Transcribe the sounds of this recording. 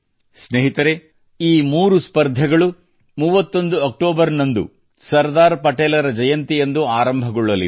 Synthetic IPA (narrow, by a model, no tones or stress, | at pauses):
sneɦit̪ɐɾe̞ | iːmuːɾuspɐɾd̪ʱɐɡɐɭu | muʋɐt̪ːo̞nd̪uɐk̚ʈoːbɐɾnɐnd̪ṵ | sɐɾd̪aːɾpɐʈeːlɐɾɐd͡ʒɐjɐnt̪ijend̪uaːɾɐmbʱɐɡɔɭːɐlḭ